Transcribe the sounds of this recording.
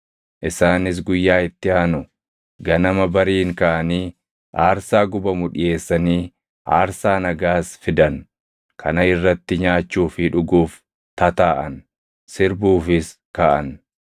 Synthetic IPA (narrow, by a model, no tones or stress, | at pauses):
ʔɪsaːnɪs̬ɡʊjːaːɪt̪ːɪaːnʊ | ɡɐnɐmɐbɐɾiːŋkɐʔɐniː | ʔaːɾsaːɡʊbɐmʊᶑɪje̞ːsːɐniː | ʔa̰ːɾsaːnɐɡaːsfɪd̪ɐn | kʰɐnɐɪrːɐt̪ːɪɲaːt͡ʃːuːfɪᶑʊɡuːf | t̪ɐt̪aːʔɐn | sɪɾbuːfɪs | kɐʔɐ̰n